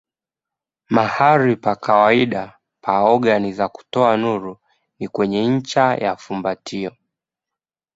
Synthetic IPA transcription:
mahaɾipakawaiɗa | pʰaɔɠanizaku̥tɔanuɾu | nikwɛɲɛɲ̩t͡ʃajafumbatʰiɔ

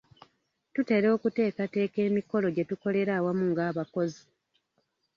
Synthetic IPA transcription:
tute̞ɾo̞ːkute̞ːkate̞ːke̞ːmiko̞lo̞ɟe̞tuko̞le̞ɾaːwamuŋɡaːβako̞zi

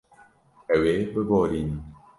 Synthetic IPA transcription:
ɛwebəbɔlin

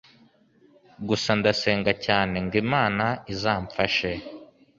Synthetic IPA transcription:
ɡusandase̞ːŋɡacaːne̞ŋɡimaːnaizaːɱfaʃe̞

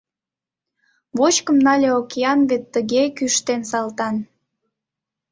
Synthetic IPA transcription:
βot͡ɕkəmnɑlʲeokeɑnβet̪ːəɣekyʃt̪ensɑlt̪ɑn

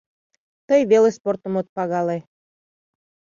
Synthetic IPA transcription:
t̪əjβelesport̪ə̆mot̪̚pɑɣɑle

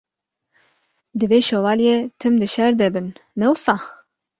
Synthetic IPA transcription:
d̪ɨveːʃowɑːljet̪ʰɨmd̪ɨʃɛɾd̪ɛbɨnːɛwsɑː

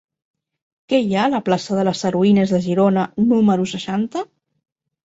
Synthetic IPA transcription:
kɛjaləplasəðələsəɾuinəzðəʒiɾonənuməɾusəʃant̪ə

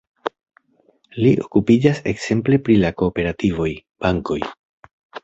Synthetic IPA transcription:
liʔo̞kupid͡ʒase̞kse̞mple̞pɾilako̞ːpe̞ɾativo̞jb̥aŋko̞j

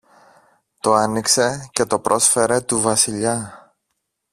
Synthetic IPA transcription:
t̪o̞ɐnikse̞ce̞t̪o̞pɾʔo̞sfe̞ɾe̞t̪uvɐsiʎɐ

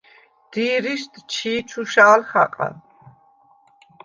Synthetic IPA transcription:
d̪̥iːɾiʃt̪ʰʼt͡ʃʰiːt͡ʃʰuʃaːlχa̰qʼa̰

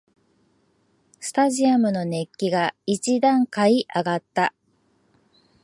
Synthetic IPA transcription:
sɨ̥t̪aʑiamɯ̟no̞ne̞kʲːiɡait͡ɕid̪ãŋkaiʔaɡat̪ːa

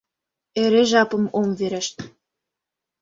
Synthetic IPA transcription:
eɾeʒɑpə̆momveɾə̆ʃt̪̚

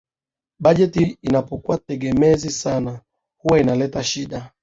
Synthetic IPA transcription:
ɓaʄɛtiinapɔkuwatɛɡɛmɛzisana | huwainalɛtaʃiɗa

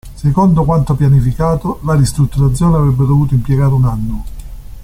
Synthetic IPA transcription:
sekond̪okwant̪opjanifikaːt̪olaɾist̪ɾut̪ːuɾat̪sːjoːneavɾɛbːed̪ovuːt̪̬oimpjeɡaːɾeunanːo

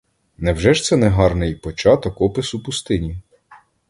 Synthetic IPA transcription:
nɛwʒɛʃt̪sɛnɛɦɑrnɪjpɔt͡ʃɑt̪ɔkɔpɪsupʊst̪ɪnʲi

